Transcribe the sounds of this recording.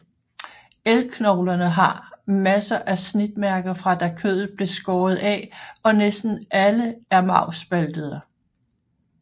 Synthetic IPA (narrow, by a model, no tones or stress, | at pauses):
elkʰnɒʊlɐnəɦɑ̈mæsɐʔæsnid̥mæɐɡ̥ɐfʁɑ̈d̥ækʰøð̩ˠb̥le̝sɡ̥ɒːð̞̩ˠɛ̰ɒ̽nesd̥n̩ʔæləæɐmɑ̈ʊsb̥æld̥əð̞ˠə